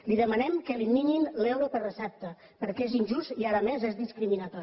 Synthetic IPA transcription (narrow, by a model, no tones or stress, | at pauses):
liðəmənɛmkəlimininlɛwɾəpərəsɛp̚t̪ə | pəɾkezinʲʒust̪iaɾəmezezðiskɾiminət̪ɔ